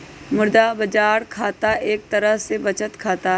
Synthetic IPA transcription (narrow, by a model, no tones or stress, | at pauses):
mʊɾd̪abɐd͡ʒaːɾkʰaːt̪aʔeːk̚t̪ɐɾəɦsebɐt͡ʃət̪kʰaːt̪a